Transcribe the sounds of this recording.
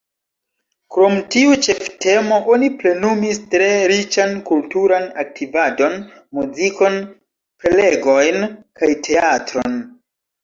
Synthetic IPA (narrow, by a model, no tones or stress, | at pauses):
kɾo̞mtiut͡ʃe̞fte̞mo̞ʔoniple̞numistɾe̞ɾit͡ʃankultuɾanak̚tʰivado̞n | muziko̞n | pele̞ɡo̞jnkajtʰe̞atɾon